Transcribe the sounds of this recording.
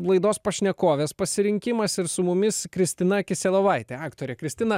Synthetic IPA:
lˠɐɪd̪oːspɐʃʲnʲɛkoːʋʲeːspɐsʲɪɾʲɪŋʲkʲɪmɐsɪɾsʊmʊmʲɪskɾʲɪsʲt̪ʲɪnɐɐkʲɪsʲɛːlˠɐʋɐɪt̪ʲeːɑːkt̪oːɾʲeːkɾʲɪsʲt̪ʲɪnɐ

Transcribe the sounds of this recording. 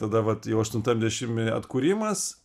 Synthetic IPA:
t̪ɐd̪ɐʋɐt̪jɛʊɐʃt̪ʊnt̪ɐmʲd̪ʲɛʃʲɪmʲɐ̰t̪kuːɾʲimɐs

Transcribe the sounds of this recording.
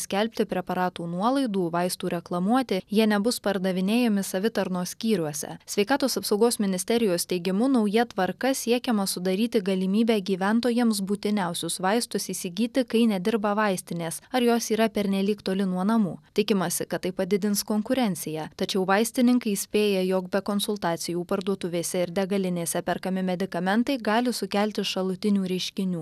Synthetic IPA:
sʲkʲɛlʲpʲt̪ʲɪpʲɾʲɛpɐɾɑːt̪uːnuɔlˠɐɪd̪uːʋɐɪst̪uːɾʲɛklˠɐmuɔt̪ʲɪjiɛnʲɛbʊspɐɾd̪ɐʋʲɪnʲeːjɛmʲɪsɐʋʲɪt̪ɐɾnoːsʲkʲiːɾʲuɔsʲɛ̰sʲʋʲɛɪkɑːt̪oːsɐpsɐɒʊɡoːsmʲɪnʲɪsʲt̪ʲɛɾʲɪjoːst̪ʲɛɪɡʲɪmʊnɐʊjɛt̪ʋɐɾkɐsʲiɛkʲɛmɐsʊd̪ɐɾʲiːt̪ʲɪɡɐlʲiːmʲiːbʲæːɡʲiːʋʲænt̪oːjɛmsbuːt̪ʲɪnʲɛˑʊsʲʊsʋɐɪst̪ʊsiːsʲɪɡʲiːt̪ʲɪkɐɪnʲɛd̪ʲɪɾbɐʋɐɪsʲt̪ʲɪnʲeːsɐɾjoːsiːɾɐpʲɛɾʲnʲɛlʲiːkt̪oːlʲɪnuɔnɐmuːt̪ʲɪkʲɪmɐsʲɪkɐt̪t̪ːɐɪpɐd̪ʲɪd̪ʲɪnskoːŋkʊɾʲɛnʲt̪sʲɪjæt̪ɐt͡ʃʲɛʊʋɐɪsʲt̪ʲɪnʲɪŋkɐɪsʲpʲeːjɛjoːkbʲɛkoːnsʊlˠt̪ɑːt̪sʲɪjuːpɐɾd̪uɔt̪ʊʋʲeːsʲɛɪɾd̪ʲɛɡɐlʲɪnʲeːsʲɛpʲɛɾkɐmʲɪmʲɛd̪ʲɪkɐmʲɛnt̪ɐɪɡɑːlʲɪsʊkʲælʲt̪ʲɪʃɐlˠʊt̪ʲɪnʲuːɾʲɛɪʃʲkʲɪnʲuː

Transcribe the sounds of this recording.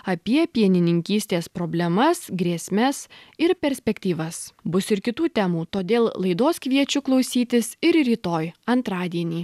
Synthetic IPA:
ɐpʲiɛpʲiɛnʲɪnʲɪŋʲkʲiːsʲt̪ʲeːspɾobʲlʲɛmɐsɡɾʲiɛsʲmʲɛsɪɾpʲɛɾʲsʲpʲɛkt̪ʲiːʋɐsbʊsɪɾkʲɪt̪uːt̪ʲæːmuːt̪oːd̪ʲeːlˠlˠɐɪd̪oːskʋʲiɛt͡ʃʲʊklˠɔʊsʲiːt̪ʲɪsɪɾɾʲiːt̪oːjɐnt̪ɾɑːd̪ʲiɛnʲiː

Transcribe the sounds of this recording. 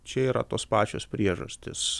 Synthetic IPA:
t͡ʃʲɛiːɾɐ̰t̪oːspɑːt͡ʃʲo̰ːspʲɾʲiɛʒɐ̰sʲt̪ʲɪs

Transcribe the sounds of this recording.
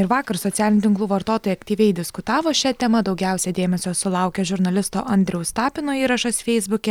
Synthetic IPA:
ɪɾʋɑːkɐɾsɔt̪ʲæːlʲɪnʲʊt̪ʲɪŋklˠuːʋɐɾt̪oːt̪oːjɛɐkt̪ʲiːʋʲɛɪd̪ʲɪskʊt̪ɑːʋoːʃʲɛt̪ʲɛmɐd̪ɒʊɡʲɛˑʊsʲɛd̪ʲeːmʲɛsʲoːsʊlˠɐˑʊkʲɛʒʲʊɾnɐlʲɪst̪o̰ːʔɐnʲd̪ʲɾʲɛʊst̪ɑːpʲɪnoːiːɾɐʃɐsfʲɛɪzbʊkʲɛ

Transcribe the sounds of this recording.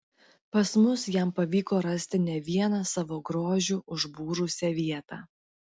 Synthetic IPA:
pɐsmʊsjɛˑmpɐʋʲiːkoːɾɐsʲt̪ʲɪnʲɛʋʲiɛnɑsɑʋoːɡɾoːʒʲuːʔʊʒbuːɾʊsʲɛʋʲiɛt̪ɑ̰ː

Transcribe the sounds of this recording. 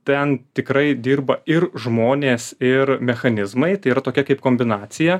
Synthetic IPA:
t̪ʲɛnt̪ʲɪkɾɐɪd̪ʲiːɾbɐɪɾʒmoːnʲeːsɪɾmʲɛxɐnʲɪzmɐɪt̪ɐɪiɾɐt̪oːkʲɛkɐɪp̚koːmʲbʲɪnɑːt̪sʲɪjɛ

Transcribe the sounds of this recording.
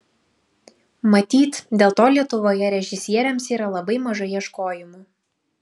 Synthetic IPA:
mɐt̪ʲiːt̪d̪ʲeːlˠt̪oːlʲiɛt̪ʊʋoːjɛɾʲɛʒʲɪsʲiɛɾʲɛmsiːɾɐlˠɐbɐɪmɐʒɐjiɛʃkoːjɪmuː

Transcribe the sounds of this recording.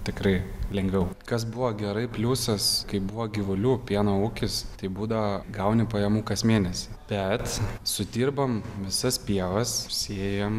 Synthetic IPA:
t̪ʲɪkɾɐɪlʲɛŋʲɡʋʲɛʊkɐsbʊʋoːɡʲɛɾɐɪpʲlʲuːsɐskɐɪbʊʋoːɡʲɪʋʊlʲuːpʲiɛnoːukʲɪst̪ɐɪbuːd̪ɐʋɐɡɐʊnʲɪpɐjɛmuːkɐsmʲeːnʲɛsʲɪb̥ʲɛt̪sʊd̪ʲiːrbɐmʋʲɪsɐspʲiɛʋɐssʲeːjɛm

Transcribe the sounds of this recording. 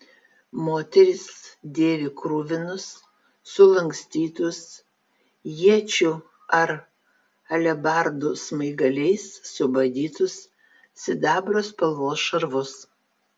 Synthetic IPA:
moːt̪ʲɛɾʲɪsd̪ʲeːʋʲɪkɾuːʋʲɪnʊsː | ʊlˠɐŋksʲt̪ʲiːt̪ʊs | jiɛt͡ʃʲʊ | ɐɾ | ɐlʲɛbɑˑɾd̪usmɐɪɡɐlʲɛɪssʊbɐd̪ʲiːt̪ʊsːʲ | ɪd̪ɑːbɾoːspɐlˠʋoːsʃɐɾʋʊs

